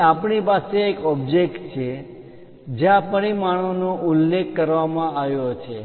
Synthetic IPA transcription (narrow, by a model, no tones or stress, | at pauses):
apɳipaseːkɔb̚d͡ʒek̚ʈt͡ʃʰe | d͡ʒeãpəɽ̃imaɳonoʔʊlːekːəɾʋamãaʋjot͡ʃʰe